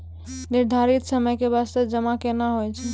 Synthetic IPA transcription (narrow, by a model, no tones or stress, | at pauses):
niɾd̪ʱaɾit̪səməjkeβast̪əd͡ʒəmakenaɦojt͡ʃʰɛ